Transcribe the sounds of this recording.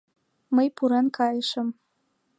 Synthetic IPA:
məjpuɾenkʰɑjəʃə̆m

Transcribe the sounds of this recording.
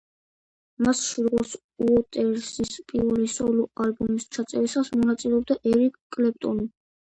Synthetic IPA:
masʃiɾʁɔs | uɔt̪ʼɛɾsispʼiɾisɔlɔalbumist͡ʃʰat̪sʼɛɾisasmɔnat̪sʼilɛɔb̚d̪aʔɛɾikkʼlɛp̚ʼt̪ʼɔni

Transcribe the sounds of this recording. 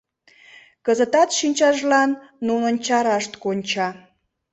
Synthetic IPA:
kəzət̪ɑt̪ʃinʲt͡ɕɑʒlɑnːunənt͡ɕɑɾɑʃt̪konʲt͡ɕɑ

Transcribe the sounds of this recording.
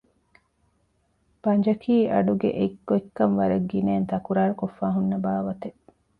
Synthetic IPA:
b̥ɐnd͡ʒɐkʰiːʔɐɖuɡḛʔekːoekːɐnʋɐɾɐɡːineːnt̪ɐkuɾaːɾukofːaːɦunːɐbaːʋɐt̪e

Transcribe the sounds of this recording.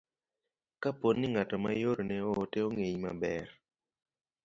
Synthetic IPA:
kaponːɪŋatɔmajoɾonɛɔːteoŋeɲma̰bɛr

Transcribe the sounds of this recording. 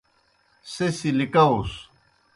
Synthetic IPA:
sesilikaus

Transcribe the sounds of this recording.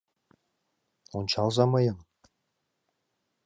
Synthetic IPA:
unt͡ɕɑlˠzɑmɤjɤŋ

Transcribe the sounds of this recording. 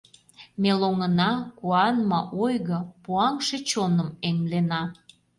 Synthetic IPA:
meloŋənɑkuɑnmɑʔojɣəpuɑŋʃet͡ɕonəmeŋlenɑ

